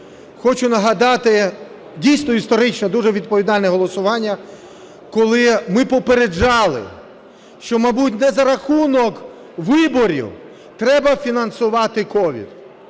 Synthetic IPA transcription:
xɔt͡ʃʊnɐɦɐd̪ɑt̪ɪ | dʲijsnɔist̪ɔɾɪt͡ʃnɛd̪uʒɛʋʲid̪̚pɔʋʲid̪ɑlʲnɛɦɔlˠɔsʊʋɑnʲːɐ | kɔlˠɪmɪpɔpeɾed͡ʒɑlˠɪ̰ | ʃt͡ʃɔmɐjbut̬̚ʲnɛzɐɾɐxunɔk | ʋɪbɔɾʲḭw | t̪ɾɛbɐfʲinɐnsʊʋɑt̪ɪkɔʋʲḭd̪

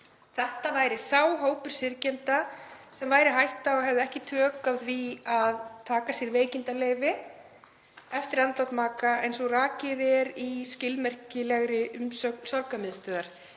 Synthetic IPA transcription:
θɛht̪avaːjɾɪsaːwɦoːwpʏɾ̥sɪɾcɛnt̪asɛmvaːjɾɪɦajht̪aɔɣɦɛvðʏɛhcɪt̪ʰœːkaðviaðt̪ʰaːkasjɛɾveːjcɪnt̪aleːjvɪ | ɛft̪ɪɾant̪lawt̪maːkaejnsɔɣraːcɪðɛɾiscɪlmɛr̥cɪlɛɣɾɪʔʏmsœksawɾkamɪðst̪œːðaɾ̥

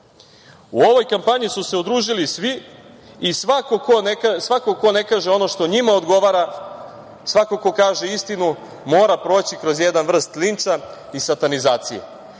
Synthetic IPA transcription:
uo̞ʋo̞jkampaɲisuse̞ud̪ɾuːʒilisʋi | isʋakokonsʋako̞ko̞ne̞kaːʒeo̞noʃt̪o̞ɲimaod̪ɡo̞ʋaɾa | sʋakoko̞kaːʒe̞ist̪inu | mo̞ːɾapɾo̞ːt͡ɕikɾo̞zjed̪anʋr̩st̪lint̪sa | isat̪anizaːt̪sijḛ

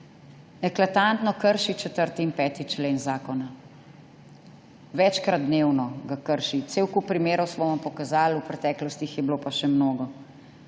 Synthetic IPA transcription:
ɛklat̪ant̪nɔkəɾʃit͡ʃɛt̪əɾt̪iːnpɛːt̪it͡ʃleːnzaːkɔna | ʋɛt͡ʃkɾad̪̚d̪neːwnɔɡakəɾʃit̪seːwkupɾimeːɾɔwsʋɔːjɛmpɔkazaːlupɾɛt̪ɛːklɔst̪ixjɛbiloːpaʃɛmnoːɡɔ

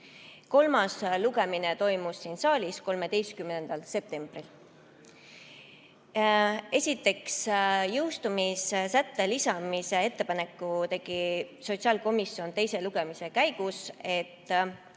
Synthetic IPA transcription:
ko̞lmɑsluɡe̞minet̪o̞jmusːiːnsɑːlʲisko̞lme̞d̪e̞jst̪kymnend̪̥ɑlse̞p̚t̪e̞mb̥ril | e̞sʲit̪ːˑe̞ksjɯwst̪umissæt̪ːe̞lisɑmise̞e̞t̪ːe̞pɑne̞kˑːut̪e̞ɡ̥iso̞t̪siɑːlko̞misːio̞nt̪e̞jse̞luɡ̥e̞mise̞kæjɡ̥use̞t̪ːˑ

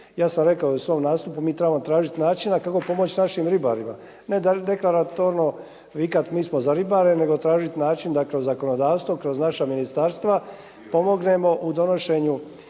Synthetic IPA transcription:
jaːsamɾe̞kaousʋo̞ːmnaːst̪upumiːt̪ɾe̞bamot̪ɾaːʒit̪naːt͡ʃinakako̞po̞mot͡ɕnaʃimɾiba̰ɾima | ne̞d̪ad̪eklˠaɾat̪oɾno | ʋikat̪miːsmozaɾibaɾene̞ɡo̞t̪ɾaːʒit̪naːt͡ʃind̪akɾo̞zːako̞nod̪aːʋst̪ʋokɾo̞znaʃaminist̪aːɾst̪ʋa | po̞mo̞ɡne̞mo̞ʔud̪o̞no̞ʃe̞ɲu

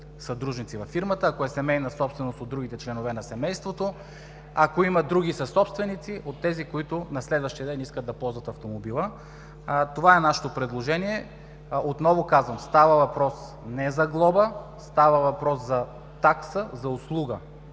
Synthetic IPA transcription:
sɐd̪ɾuʒnit̪sivɐfːiɾmət̪əːkoɛsɛmɛjnɐsɔpst̪vɛnost̪od̪ːɾuɡit̪ɛt͡ʃlɛnovɛnɐsɛmɛjst̪vot̪o | akoimɐd̪ɾuɡisɐsɔpst̪vɛnit̪siʔot̪ːɛzikoit̪ʊnɐslɛd̪vəʃt̪ijəd̪ɛniskəd̪ɐpɔlˠzvɐt̪ɐft̪omobilˠə | t̪ovaɛnaʃɛ̥t̪opɾɛd̪lˠoʒɛniɛ | ot̪nɔvokazvəmst̪avəvɐpɾɔs | nɛzɐɡlˠɔbəst̪avəvɐpɾɔszɐ | t̪aksəzɐʊslˠuɡə

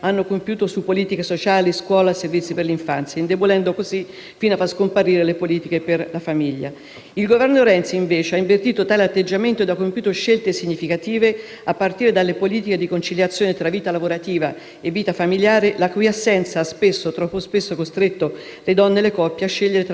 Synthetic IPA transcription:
anːokompjuːt̪osupːoliːt̪ikesot͡ʃaːliskwɔːlaservit̪sːiperliɱfant̪sjaind̪ebolɛnd̪okozi | fiːnoafaskompaɾiːɾelepoliːt̪ikeperlafamiʎːa̰ | ilɡovɛrnoɾɛnt̪siiɱveːt͡ʃeaiɱvert̪iːt̪ot̪aːleat̪ːed͡ʒːament̪oed̪akːompjuːt̪oʃːelt̪esiɲːifikat̪iːve | apːart̪iːɾed̪alːepoliːt̪iked̪ikont͡ʃiljat̪sjoːnet̪ɾaviːt̪alavoɾat̪iːva̰ | evːiːt̪afamiljaːɾelakujasːɛnt̪saaspesːot̪ɾɔpːospesːokost̪ɾet̪ːo | led̪ɔnːelekɔpːjaaʃːeʎːeɾet̪

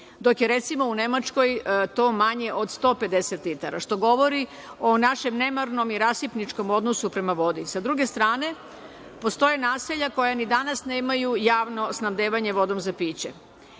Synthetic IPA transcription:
d̪o̞kje̞ɾe̞t̪simo̞une̞mat͡ʃko̞jt̪o̞ːmaɲe̞ʔo̞d̪st̪o̞ːpe̞d̪e̞set̪lit̪aɾa̰ʃt̪o̞ɡo̞ʋo̞ɾi | o̞naʃe̞mne̞maɾno̞miɾasipnit͡ʃko̞mo̞d̪nosupɾe̞maʋo̞d̪isad̪ɾuɡe̞st̪ɾaːne̞ | po̞st̪o̞jenaːseʎako̞janid̪anasne̞ːmajujaːʋno̞snamd̪eːʋaɲe̞ʋo̞d̪o̞mzapiːt͡ɕḛ

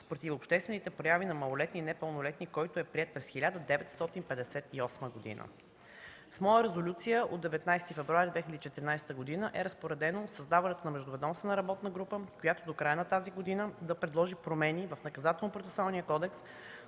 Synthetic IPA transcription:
spɾot̪ifopʃt̪ɛst̪vɛnit̪ɛpɾojavinɐmɐlˠolɛt̪ninɛpəlˠnolɛt̪nikɔjt̪oɛpɾiɛt̪̚pɾɛsxilʲad̪əd̪ɛvɛt̪st̪ɔt̪inpɛd̪ɛsɛt̪iɔsməɡod̪ḭnə̰ | smɔjəɾɛzolʲut̪sijəʔod̪ɛvɛt̪najst̪ifɛvɾuaɾid̪vɛxʲilʲɛd̪it͡ʃɛt̪ɾinajsɛ̥t̪əɡod̪inəʔɛɾəspoɾɛd̪ɛnosɐzd̪avɐnɛt̪onɐmɛʒd̪ʊvɛd̪ɔmsvənəɾɐbɔt̪nəɡɾupəkojat̪od̪okɾajənɐt̪aziɡod̪inəd̪ɐpɾɛd̪lˠɔʒipɾomɛnivəfnɐkɐzat̪ɛlˠnopɾot̪ɛ̥salˠnijəkɔd̪ɛks

